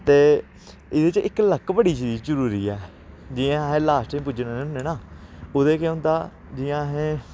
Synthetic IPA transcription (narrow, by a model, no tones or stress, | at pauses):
t̪eː | ɪd̪eːt͡ʃʔɪkləkbəɽiːd͡ʒɾiːd͡ʒd͡ʒəɾuːɾiːɛː | d͡ʒɪãːɦẽːlaːsʈĩːpʊd͡ʒnãːneːʊneːnaːoːd̪eːkeõʊ̃ːnd̪aː | d͡ʒɪːãːɦẽː